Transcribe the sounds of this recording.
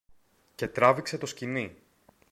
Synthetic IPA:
ce̞t̪ɾɐvikse̞t̪o̞scini

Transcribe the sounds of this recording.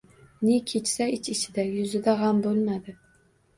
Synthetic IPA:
nɪkʲʰet͡ʃsaɪt͡ʃɪt͡ʃʰɪd̪ajʊzɪd̪aʁambolˠmad̪ɪ

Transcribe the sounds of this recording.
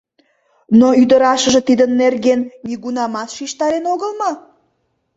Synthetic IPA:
noyd̪əɾɑʃə̆ʒĕt̪id̪ənːerɣenniɣunɑmɑt̪ʃiʃt̪ɑɾenoɣəlmɑ

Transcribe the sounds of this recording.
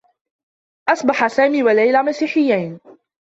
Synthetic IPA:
ʔɑsˤbɑħasaːmiːwalajlaːmasiːħɪjːajn

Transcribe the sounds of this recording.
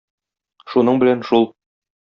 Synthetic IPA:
ʃunɤɴbɘ̆lænʃulˠ

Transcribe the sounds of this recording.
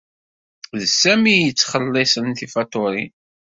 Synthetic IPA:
ðsæmijət͡sːχəlːɪsənt̪ifɑt̪oɾḭ

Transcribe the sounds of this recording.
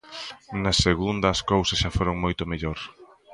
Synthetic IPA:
nɐsːeɣund̪ɐskowsɐsʃafoɾoŋmojt̪ʊmeʎoɾ

